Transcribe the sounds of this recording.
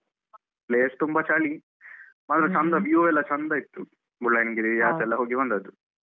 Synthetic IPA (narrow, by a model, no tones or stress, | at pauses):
plest̪umbɐt͡ʃaːɭi | maːt̪ɾet͡ʃɐnd̪ɐʋjoɛlːɐt͡ʃand̪ait̪ːu | buɽɐjnɡiɾijaːsɛlːɐɦoːɡibɐnd̪ɐd̪u